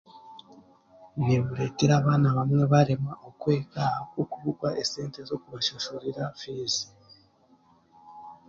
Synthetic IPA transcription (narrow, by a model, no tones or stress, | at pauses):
iβe̞βuɾe̞ːtiɾaːβaːnaβamŋe̞βaɾemaʔo̞kwe̞ːkakokuβukwaʔese̞ːntezo̞kuβaʃoʃoɾiɾafiːzi̥